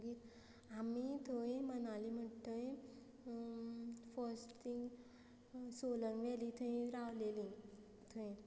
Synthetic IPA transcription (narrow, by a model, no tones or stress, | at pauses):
ɡiɾ | amit̪ʰoẽmənalim̤ətəẽ | fəɾsʈt̪ʰĩŋɡ | soləŋɡʋɛlit̪ʰuẽɾaʋlelĩ | t̪ʰuẽ